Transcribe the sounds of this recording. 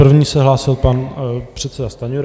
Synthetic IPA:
r̩vɲiːsɛɦlaːsɪlpanpr̥ɛt̪sɛdast̪aɲuɾ

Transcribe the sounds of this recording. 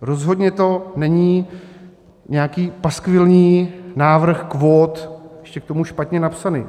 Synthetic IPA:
ɾo̞zɦo̞d̪ɲɛt̪o̞nɛɲiː | ɲɛakiːpaskvɪlɲiːnaːvr̩xkvo̞ːt̪jɛʃcɛk̚t̪o̞muʃpat̪ɲɛnapsanɪ̰ː

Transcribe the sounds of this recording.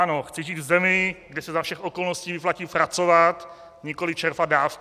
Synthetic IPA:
anoxt͡sɛʒiːt̪vzɛmɪɡdɛsɛzafʃɛxʔo̞ko̞lnosciːvɪplacipɾat͡sovat̪ | ɲɪkolɪt͡ʃɛɾfadaːf

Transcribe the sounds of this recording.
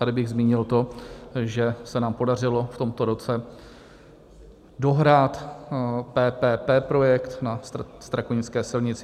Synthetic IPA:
t̪adɪbɪɣzmiːɲɪlt̪o̞ʒɛsɛnaːmpo̞dar̝ɪlo̞ft̪o̞mt̪o̞ɾo̞t͡sɛ | do̞ɦɾaːt̪ | pɛːpɛːpɛːpɾo̞jɛkt̪nast̪ɾakoɲɪt͡skɛːsɪlɲɪt͡sɪ

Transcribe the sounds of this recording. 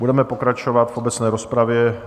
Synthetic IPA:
budɛmɛpokɾat͡ʃovat̪fobɛt͡snɛːɾospɾavjɛ

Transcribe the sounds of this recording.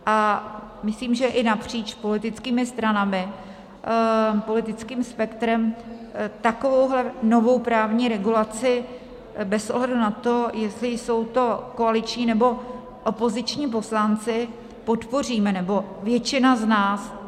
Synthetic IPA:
ʔamɪsliːmʒɛʔɪnapr̝̥iːt͡ʃpo̞lɪt̪ɪt͡skiːmɪst̪ɾanamɪ | po̞lɪt̪ɪt͡skiːmspɛkt̪ɾɛm | t̪ako̞vowɦlɛno̞vo̞wpɾaːvɲiːɾɛɡulat͡sɪ | bɛsʔoɦlɛdunat̪o̞jɛst̪lɪjso̞wt̪o̞koalɪt͡ʃɲiːnɛbo̞ | ʔopo̞zɪt͡ʃɲiːp̬o̞slant͡sɪ | po̞t̪po̞r̝iːmɛnɛbo̞vjɛt͡ʃɪnaznaːs

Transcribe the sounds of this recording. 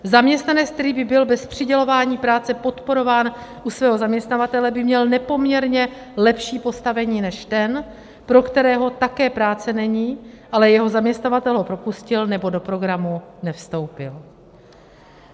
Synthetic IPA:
zamɲɛst̪nanɛt͡sk̚t̪ɛɾiːbɪbɪlbɛspr̝̥ɪɟɛlo̞vaːɲiːpɾaːt͡sɛpo̞t̪po̞ɾo̞vaːnʔusvɛːɦo̞zamɲɛst̪navat̪ɛlɛbɪmɲɛlnɛpo̞mɲɛɾɲɛ | lɛpʃiːpo̞st̪avɛɲiːnɛʃt̪ɛn | pɾo̞kt̪ɛɾɛːɦo̞t̪akɛːpɾaːt͡sɛnɛɲiːʔalɛjɛɦo̞zamɲɛst̪navat̪ɛlɦopɾo̞puscɪlnɛbo̞do̞pɾo̞ɡɾamunɛfst̪o̞wpɪl

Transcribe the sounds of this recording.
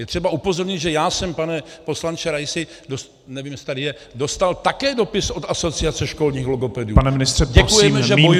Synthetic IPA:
jɛt̪r̝̥ɛbaʔupo̞zoɾɲɪd̪ʒɛjaːsɛmpanɛpo̞slant͡ʃɛɾajsɪ | dos | nɛviːmjɛsɪ̥t̪adɪjɛ | do̞st̪alt̪akɛːdo̞pɪsʔot̪ʔaso̞t͡sɪat͡sɛʃko̞lɲiːxloɡo̞pɛdɪuːpanɛmɪnɪst̪r̥ɛɟɛkujɛmɛʒɛmboj

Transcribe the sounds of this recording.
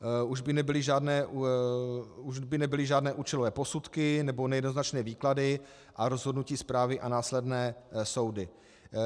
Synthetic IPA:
uʒbɪnɛbɪlɪʒaːdnɛːʔu | uʒbɪnɛbɪlɪʒaːdnɛːʔuːt͡ʃɛlo̞vɛːpo̞sut̪kɪnɛbonɛjɛdno̞znat͡ʃnɛːviːkladɪ | ʔaɾo̞zɦo̞dnuciːspɾaːvɪʔanaːslɛdnɛːso̞wdɪ

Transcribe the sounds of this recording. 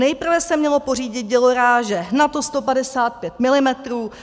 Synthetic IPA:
nɛjpr̩vɛsɛmɲɛlo̞po̞riːɟɪt̪̚ɟɛlo̞ɾaːʒɛnat̪o̞st̪o̞padɛsaːt̪̚pjɛt̪̚mɪlɪmɛt̪ɾuː

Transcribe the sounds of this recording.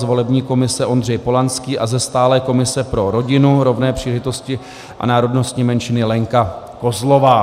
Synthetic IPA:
zvo̞lɛbɲiːko̞mɪsɛʔo̞nd̪r̝ɛjpo̞lanskiːʔazɛst̪aːlɛːko̞mɪsɛpɾo̞ɾo̞ɟɪnuɾo̞vnɛːpr̝̥iːlɛʒɪt̪o̞scɪ | ʔa̰naːɾo̞dno̞st̪ɲiːmɛnʃɪnɪlɛŋka | ko̞zlo̞vaː

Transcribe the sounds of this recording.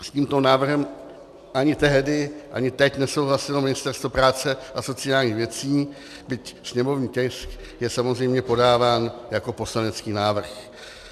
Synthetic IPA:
sciːmt̪o̞naːvr̩ɦɛm | ʔaɲɪt̪ɛɦdɪʔa̰ɲɪt̪ɛcnɛso̞wɦlasɪlomɪnɪst̪ɛrɾst̪vopɾaːt͡sɛʔaso̞t͡sɪaːlɲiːxvjɛt͡siː | bɪcsɲɛmo̞vɲiːcɛjsk | jɛsamo̞zrɛjmɲɛpo̞daːvaːnjako̞po̞slanɛt͡skiːnaːvr̩x

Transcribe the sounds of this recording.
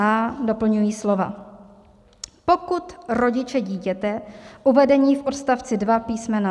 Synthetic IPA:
aːdo̞pl̩ɲujiːslo̞va̰ | po̞kut̪ɾo̞ɟɪt͡ʃɛɟiːcɛt̪ɛʔuvɛdɛɲiːfʔot̪st̪aft͡sɪdvapiːsmɛna

